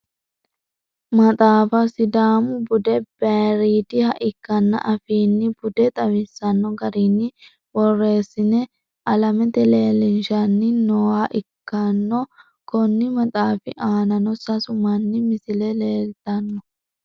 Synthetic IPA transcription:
mɐt̪ʼaːfɐsɪd̪aːmʊbʊd̪ɛb̥eːɾiːd̪ɪhɐʔɪkːɐnːɐ̰ʔɐfiːnːɪbʊd̪ɛt̪ʼɐwɪsːɐnːɔɡɐɾiːnːɪ | bɔrːe̞ːsːɪnɛ | ʔɐlɐmɛt̪ɛle̞ːlɪnʃɐnːɪnɔwaːʔɪkːɐnːɔ | kɔnːɪmɐt̪ʼaːfɪʔaːnɐnɔsɐsʊmɐnːɪmɪsɪlɛleːlt̪ɐnːɔ

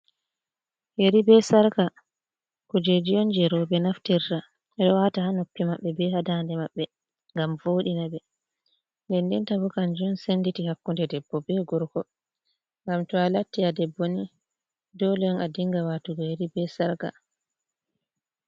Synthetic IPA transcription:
jeɾibɛsaɾka | kɔd͡ʒed͡ʒijɔnd͡ʒɛɾɔbɛnaftiɾta | ɛɗɔwatahanopːimaɓːɛbɛhadandɛmaɓːɛ | ŋɡamvoːɗinabɛ | ndɛndɛntabukand͡ʒunsenːditihakːundɛdɛbːɔbɛɡɔɾkɔ | ŋɡamtɔalatːiadɛbːoni | dɔlɔnadiŋɡawatuɡɔjeɾibɛsaɾka̰

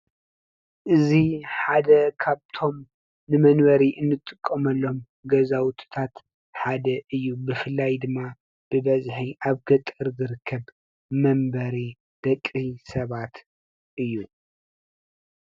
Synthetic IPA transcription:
ʔɨziħad̪ɐkʰaβt̪ʰo̞m | nɨmɐnβɐɾiʔɨnːɨt̪ʼːɨkʼːɐmɐlːo̞m | ɡɐzawt̪ʰɨ̥t̪ʰat̪ | ħad̪ɐʔɨjːubɨfɨlːajd̪ɨmːa | b̥ɨbɐzħiʔaβɡɐt̪ʼɨɾzɨɾɨkʰːɐβ | mɐmbɐɾi | d̪̥ɐkʼisɐβat̪ | ʔɨjːu

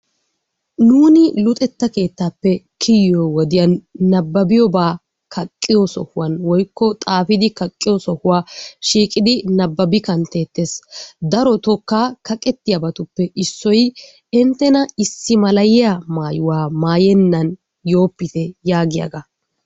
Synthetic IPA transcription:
nuːnɪlʊt̪ʼɛt̪ːɐke̞ːt̪ːaːpːɛkʰɪjːowɔd̪ɪjɐnːɐbːɐbɪjɔbaː | kʰɐkʼːɪjɔsɔ̰hʊwɐnwɔjkːɔt̪ʼaːfɪd̪ɪkɐkʼːɪjɔsɔhʊwaːʃiːkʼɪd̪ɪnɐbːɐbɪkɐnt̪e̞ːt̪ːeːsd̪ɐɾɔt̪ɔkːaːkʰɐkʼɛt̪ːɪjɐbɐt̪ʊpːɛɪsːɔj | ɛnt̪ːɛnɐɪsːɪmɐlɐjɪjamaːjʊwaːmaːjɛnːɐn | jo̞ːpːɪt̪ɛjaːɡɪjɐ̰ɡɐ

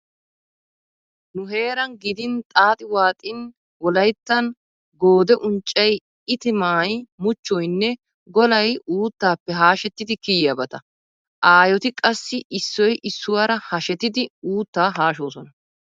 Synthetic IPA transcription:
nʊɦe̞ːɾɐnɡɪd̪ɪnt̪ʼaːt̪ʼɪwaːt̪ʼɪn | wɔlɐjt̪ːɐn | ɡoːd̪ɛʔʊnt͡ʃʼːɛj | ɪt̪ɪmaːjmʊt͡ʃːɔjnːɛ | ɡɔlɐjuːt̪ːaːpːɛɦaːʃɛt̪ːɪd̪ɪkɪjjabɐt̪ɐ | ʔaːjɔt̪ɪkʼɐsːɪʔɪsːɔjʔɪsːʊwaɾɐhɐʃɛt̪ːɪd̪ɪuːt̪ːaːɦaːʃoːsɔnɐ

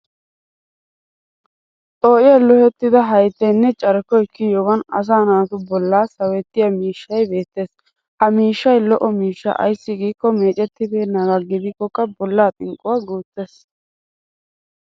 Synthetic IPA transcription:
ʔoːʔɪjɐlɔhɛt̪ːɪd̪ɐɦɐjt̪ːɛjnːɛt͡ʃʼɐɾkːɔjɪkːɪjɔɡɐnɐ̰s̬aːnaːt̪ʊbɔlːaːsɐwɛt̪ːɪjɐmiːʃːɐjbe̞ːt̪ːe̞ːs | hɐmiːʃːɐjlɔʔɔmiːʃːɐ̰ʔɐ̰jsːɪɡiːkːɔme̞ːt͡ʃʼɛt̪ːɪb̪ɛnɐɡɐɡɪd̪ɪkːɔkːɐbɔlːaːt̪ʼɪŋkʼʊwaːɡuːt̪ːeːs

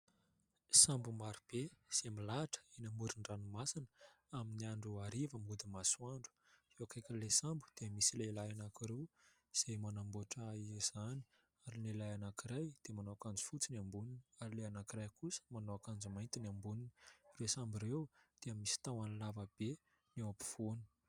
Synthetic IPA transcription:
sambumaɾib̥ez̥emilaʈ͡ʂə̥inəmuɾiɳɖ͡ʐanumasinə | aminiaɳɖ͡ʐuaɾivəmud̪imasuaɳɖ͡ʐu̥ | zewakajkʲəlesambu̥d̪̥emisilelajanakiɾew | z̥emanamboʈ͡ʂaz̥ani̥ | aɾinelajanakiɾajd̪̥emanoakand͡zi̥fut͡sinambuniniaɾileanakiɾajkusə̥manoakand͡zumajnt̪inambuninə̥resambirewd̪̥eəmisi̥t̪awanlavəb̥e | newapi̥v̥oni̥

